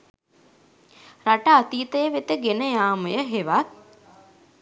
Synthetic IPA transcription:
raʈəat̪iːt̪əjəʋet̪əɡenəjaːməjəɦeʋat̪̚

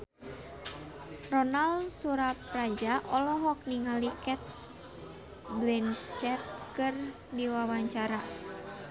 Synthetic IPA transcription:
rɔnaldsuɾap̚rad͡ʒaʔɔlɔɦɔk̚niŋalikɛt̪̚ | blinst͡ʃɛt̪̚kɨr | diwawaɲt͡ʃaɾa

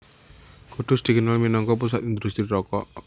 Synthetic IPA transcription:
kuɖ̪̥ʊsd̪̥i̤kənalminɔŋkɔpus̬at̪ind̪ust̪ɾiɾɔkɔ̰

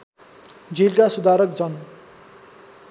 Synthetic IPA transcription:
d͡zilkasud̪aɾʌk̚d͡zʌn

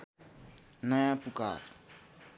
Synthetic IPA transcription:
najapʼukʼa̰ːrɔ

